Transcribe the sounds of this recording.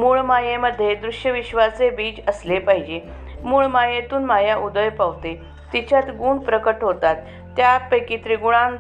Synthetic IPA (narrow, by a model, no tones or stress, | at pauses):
muːɭmajeməd̪ʱːjed̪ɾuʂjəʋiɕʋat͡sebiːt͡ɕəslepaɦid͡ʑe | muːɭmajet̪uːnmajaʔud̪əjpaʋt̪e | t̪it͡ɕat̪ɡuːɳɖpɾəkəʈɦot̪at̪ː | japəjkiːt̪ɾiɡuɭ̃aŋ